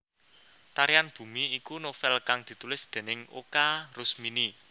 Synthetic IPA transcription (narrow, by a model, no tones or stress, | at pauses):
t̪aɾianb̥ṳmiːkunofɛlkaŋd̪̥i̤t̪ulɪsd̪̥e̤nɪŋo̰karʊsmini